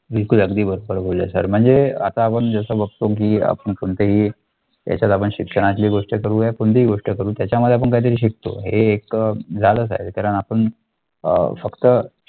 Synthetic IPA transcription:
bilkuləɡd̪iːbəɾobəɾbʱolḛsə̰ɾm̤əɳd͡zea̰t̪aːpəɳd͡zəsəbəɡ̚t̪ok̬iːa̰pəɳpoɳt̪eɦiː | ja̰t͡ɕat̪apəɳɕikʂəɽ̃at͡ɕliːɡoʂʈəkəɾuːepuɳt̪eiɡoʂʈəkəɾuːt̪jat͡ɕjaməd̪ʱːeapəɳkaɦit̪̬əɾiːɕ̬ik̚t̪o̰ɦeːkd͡zʱaləːs̬a̰ɦḛt̪kaɾəɳapəɳ | ə̰fəkt̪ə

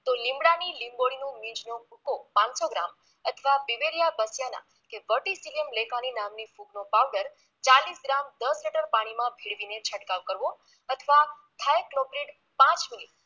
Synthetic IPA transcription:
t̪olĩmbɽanilimboɽinũmĩd͡ʒnobʱukopãnsoɡɾa̰m | ət̪ʰəʋaʋiʋeɾijabəsjanã̰ | keʋəʈisiləmlekaninamnifuɡnopawɖəɾ | t͡ʃalisɡɾamd̪əsliʈəɾpaɽ̃imãbʱiɽʋinet͡ʃʰəʈkaʋkəɾʋo | ət̪ʰəʋa | t̪ʰajklopɾiʈ | pãt͡ʃminiʈ

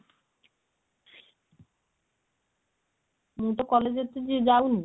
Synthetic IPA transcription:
mut̪okɔled͡ʑet̪ːed͡ʑid͡ʑawni

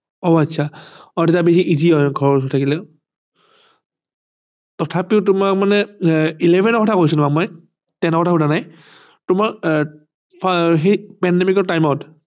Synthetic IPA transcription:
ɔatsʰaɔtɛtabesiʔiziɔjɡʱɔɹɔɔtʰakilɛ | tɔtʰapiʊt̬ʊmak̚manɛilebʱɛnɔkɔtʰakos̬utʊmak̚mɔj | tɛnɔkɔtʰakutanaj | tʊmaɹ | ɦepɛndɛmikɔɹtajmɔt

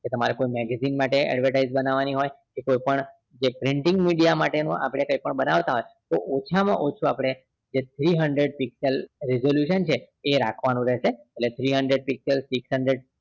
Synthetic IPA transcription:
ket̪əmaɾekojmɛɡɛzinmaʈeɛ̰ɖʋəʈaizbənaʋaniɦojkekojpəɳ | d͡ʒepɾɪɳʈɪ̃ŋɡmiɽijamaʈenũa̰pɽ̃ekəipəɳbənaʋt̪aɦojt̪oʔot͡ʃʰamã̰ʔot͡ʃʰuapɽ̃e | d͡ʒet̪ʰɾiɦəɳɖɾeɖ̚pikselɾizoljuʃənt͡ʃʰeː | ɾakʰʋanũɾɛʃeeʈlet̪ʰɾiɦəɳɖɾeɖ̚piksəlsiksɦəɳɖɾeɖ

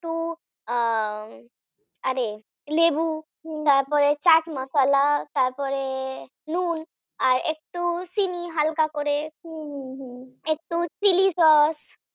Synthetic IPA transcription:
kʈu | aɾe | lebu | t̪aɾpɔɾet͡ɕaʈmasalat̪aɾpɔɾe | nun | aɾek̚ʈusiniɦalkakoɾe | ek̚ʈusilisɔs

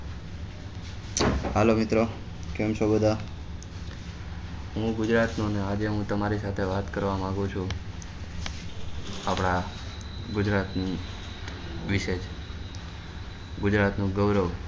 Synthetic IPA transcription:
halomɪt̪ɾo | kemsobəd̪ʱa | ɦũɡʊd͡ʒɾat̪nũnead͡ʒeɦũt̪əmaɾisat̪ʰeʋat̪kəɾʋamãɡũt͡ʃʰũ | apɽ̃a | ɡʊd͡ʒɾat̪n | ʋɪʃed͡ʒʰ | ɡʊd͡ʒɾat̪nũɡəʋɾəʋ

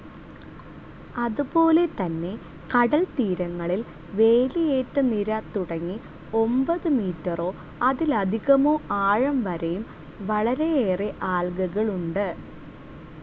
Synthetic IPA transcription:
ɐðupo̞ːle̞t̪ɐnːe̞ | kɐɽɐlt̪iːɾɐŋːɐɭil | ʋe̞ːlijeːtːɨniɾɐt̪uɽɐŋːi | o̞mbɐðɨmiːtːɐro̞ː | ɐðilɐd̪ʱiɣɐmoːʔaːɻɐmʋɐɾɐjum | ʋɐɭɐɾe̞eːreʔaːɭɡɐɣɐɭuɳɖɨ

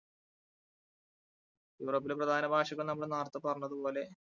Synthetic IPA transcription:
juːro̞ːpːileprɐd̪ʱaːnɐbʱaːʂɐɣɐɭnɐmːɐɭnaːrt̪ːɨpɐrɐnːɐðupo̞ːle̞

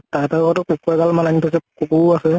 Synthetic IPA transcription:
tataɡɔtɔkukuɛɡalmananipʰas̬ɛkukuasɛ

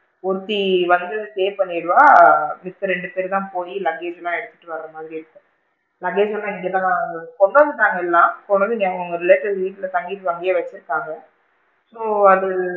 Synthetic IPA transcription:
ɔɾɯt̪ːiʋɐnd̪ɯseːpɐnːɪɽɯʋaːmɪt̪ːɯɾɛɳɖɯpeːɾt̪ãːpoːjilɐɣeːd͡ʒlãːɛɽɯt̪ːɯ̥ʈːɯʋɐɾɾɐmaːd̪ɾiɛɽɯt̪ːɯ | lɐɡeːd͡ʒɛlãːɪŋɡeːt̪ãːkɔɳɖonɯʈ̪ːaːŋɡɐɛlːãːkɔɳːɐnðɯnːɐɐɡʊŋɡɐɾɪleːʈːɪʋʋiːʈːɪlɐt̪ɐŋɡiːʈːɯtɐŋɡɪjeʋɐt͡ʃːɪɾɯkːaːŋɡɐ | soːɐðɯ

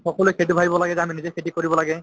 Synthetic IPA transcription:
xɔkɔlujkʰet̬ibʱabibɔlaɡɛzɛaminizekʰetikoɹibɔlaɡɛ

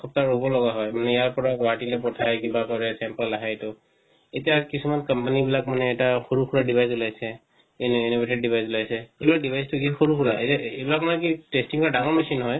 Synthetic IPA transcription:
xɔp̚taɹobɔlɔɡaɦɔjmanɛjaɹpɔɹaɡaɦatilɛpɔtʰajkibakɔɹɛsɛmpalːaɦajtʊ | etijakisumankampanibilakmanɛːtaxoɹukʰuɹadibʱajsulajsɛ | ninobeted̚dibʱajsulajsɛejbilak̚dibʱajstʊkixoɹukʰuɹaetejbilakmanɛkitestiŋkɔɹadaŋɔɹmisinɦɔj

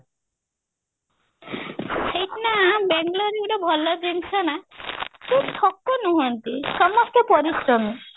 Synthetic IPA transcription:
sʰejʈnambeŋɡlɔɾiuɽɔbʱɔlɔd͡ʒent͡ʃʰɔnakʰub̚tʰɔkːɔnuɦɔnt̪isɔmɔst̪ɔpɔɾisɾɔmi

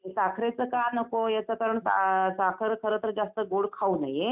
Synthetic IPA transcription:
esakʰɾet͡səkanəkojat͡səkaɾəɳsa̰sakʰəɾkʰəɾət̪əɾd͡zast̪əɡoɽkʰaunaje

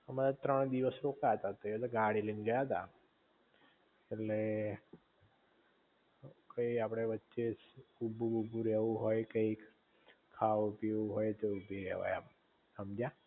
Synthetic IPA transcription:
əmaɾat̪ɾəɳ̃d̪iʋəsɾokaət̪at̪oet̪aɡaɽilind͡ʒəjaɦt̪a̰ | eʈle | kəiapɽ̃eʋətːʃesubʱuubũɾeʋũɦojkəik | kʰaʋupiʋuɦojt̪eubʱiɾɛ̰ʋa̰ja̰ | səmd͡ʒa

